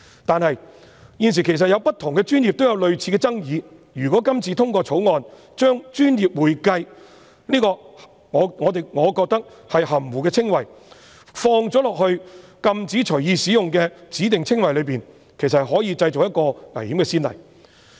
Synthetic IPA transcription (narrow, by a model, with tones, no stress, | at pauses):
t̪aː˨nhɐ˨j | jiː˧ns̬iː˨˩kʰe˨˩js̬ɐ˨t̚jɐ˨˧wpɐ˥t̪ʰʊ˨˩ŋkɛ˧t͡ʃyː˥nji˨p̚t̪o˥wjɐ˨˧wlɵ˨ɥt͡sʰiː˨˥kɛ˧t͡sɐ˥ŋjiː˨˧ | jyː˨˩kɔː˨˥kɐ˥mt͡sʰiː˨t̪ʰʊ˥ŋkɔː˧t͡sʰo˨˥wŋɔː˨˧n | t͡ʃœː˥ŋt͡ʃyː˥njiː˨p̚wuː˨˩jkɐ˧j | liː˥kɔː˧ | ŋɔː˨˧ŋɔː˨˧t̪e˨jŋɔː˨˧kɔː˧k̚t̪ɐ˥k̚ | hɐ˨jɦɐ˨˩mwuː˨˩kɛː˧t͡sʰɪ˥ŋwɐ˨˩j | fɔː˧ŋt͡sɔː˨˥lɔː˨k̚hɵ˧ɥkɐ˧mt͡siː˨˥t͡ʃʰɵ˨˩ɥjiː˨˧siː˨˥jʊ˨ŋkɛː˧t͡siː˨˥t̪ɪ˨ŋt͡sʰɪ˥ŋwɐ˨jlɵ˨˧ɥpiː˨n | kʰe˨˩js̬ɐ˨hɦɔː˨˥jiː˨˧t͡sɐ˧jt͡so˨k̚jɐ˥t̚kɔː˧ŋɐ˨˩jhiː˨˥mkɛː˧siː˥nlɐ̰˨˩j